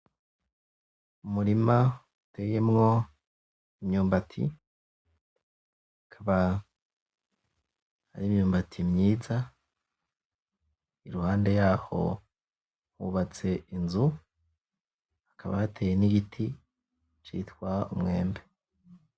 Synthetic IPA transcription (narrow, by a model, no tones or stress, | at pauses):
umuɾima | utʰeːje̞mŋo̞ | imɲuːmbatʰḭ | akʰaβa | ha̰ɾiːmɲuːmbatʰimɲiːza | iɾuhaːnde̞jaːho̞̰ | huːβat͡se̞inzu | akʰaβa̰hatʰeːjeniɡitʰi | t͡ʃḭtkwaumŋe̞ːmbe